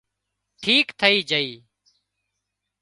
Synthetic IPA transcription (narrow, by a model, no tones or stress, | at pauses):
ʈʰiːkt̪ʰəiːd͡ʒəiː